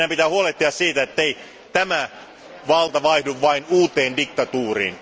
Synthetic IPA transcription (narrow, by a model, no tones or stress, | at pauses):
æmpit̪æːhuoleht̪ːiɑssiːt̪æet̪ːei | t̪æmæ | ʋɑlt̪ɑʋɑihduʋʋɑinuːt̪eːndikt̪ɑt̪uːrḭːn